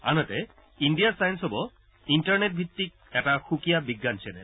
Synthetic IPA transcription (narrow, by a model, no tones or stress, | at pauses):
a̰nɔtɛ | inɖijasajnsɔbɔ | inʈaɹnet̚bʱit̪ːik̚ɛtaxukijabiɡːant͡ʃʰɛnɛ̰